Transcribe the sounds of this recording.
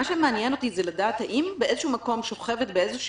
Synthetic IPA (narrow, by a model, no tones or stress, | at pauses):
aʃemeanjeno̞t̪izeladaːt̪haʔimbeʔezeʃhumako̞mʃo̞χevet̪̚beezeʃ